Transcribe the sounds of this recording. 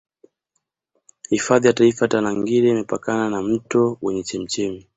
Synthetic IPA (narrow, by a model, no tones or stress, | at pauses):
hifaðijataifaatanaŋɡiɾɛimɛpakananam̩tɔwɛɲɛt͡ʃɛm̩t͡ʃɛmi